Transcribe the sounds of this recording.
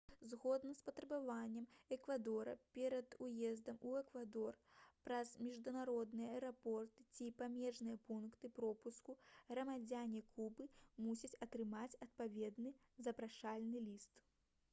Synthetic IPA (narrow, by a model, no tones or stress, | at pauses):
zɣɔd̪nɐspɐt̪ɾɐbavanʲːɛmɛkvad̪ɔɾɐ̰pʲɛɾɐd̪ujɛzd̪ɐmuɛkvad̪ɔrpɾɐzmʲiʐd̪unaɾɔd̪nɨjɐɐɾapɔrt̪ɨt͡sʲipamʲɛʐnɨjɐpunkt̪ɨpɾɔpuskuɣɾɐmad͡zʲanʲɛkʰubɨmusʲɐt͡sʲɐt̪ɾɨmat͡sʲɐt̪̚pavʲɛd̪nɨ | zɐpɾaʂalʲnɨlʲist̪